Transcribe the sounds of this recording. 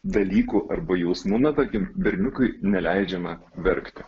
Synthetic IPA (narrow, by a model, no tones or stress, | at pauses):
d̪ɐlʲiːkuʔɐrbɐjɛʊsmuːnɐt̪ɐɾʲkʲɪmbʲɛɾʲnʲʊkʊɪnʲɛlʲæɪd͡ʒʲɛmɐ | ʋʲɛɾʲkt̪ʲɪ